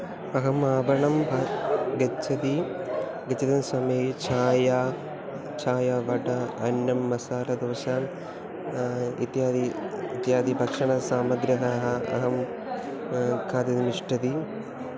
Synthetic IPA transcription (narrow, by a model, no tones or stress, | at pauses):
ɐɦɐmaːbɐɳɐmbʱɐɡɐt͡ʃʰːɐt̪i | ɡɐt͡ɕːɐd̪ɐnsɐmeːt͡ɕʰaːja | t͡ʃʰaːjaʋɐʈɐɐnjɐmːɐsaːlɐd̪oːɕaːn | ḭt̪jaːd̪iːt̪jaːd̪ibʱɐkʂɐɳɐsaːmɐɡɾɐɦɐɦɐɐ̰ɦɐm | kʰaːt̪ɐd̪imiʂʈɐd̪i